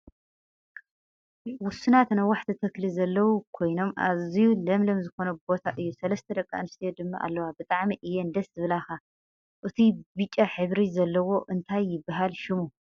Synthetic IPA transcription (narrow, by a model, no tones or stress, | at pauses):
wʊsːɨnat̪najwaħt̪ʰit̪ʰɨklizɐlːɐwukʰo̞jno̞mʔa̰zijulɐmlomzɨxo̞nɐbo̞t̪ʰaʔɨjːusɐlɐst̪ʰɐd̪ɐkʼːanɨst̪ʰijod̪ɨmːaʔa̰lːɐwabɨt̪ʼaʕmiʔɨjːend̪ɐszɨβɨlaxa | ʔɨt̪ʰibɨt͡ʃʼːaħɨβɾizɐlːɐwo̞ʔɨnt̪ʰajːɪbːaɦalʃɪmu